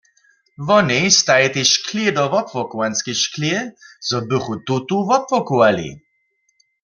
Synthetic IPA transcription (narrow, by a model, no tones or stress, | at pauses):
vɔnejst̪ajɛt̪eʃkʰledɔʋɔpvɔkuwanskeʃkljɪzɔbɪχut̪ut̪uvɔpvɔkuwalḭ